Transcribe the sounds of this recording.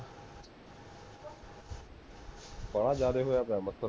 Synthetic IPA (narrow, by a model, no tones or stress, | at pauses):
pəɽ̃ãːd͡ʒaːɾeɦojaːpjãːmət̪ʰoɾ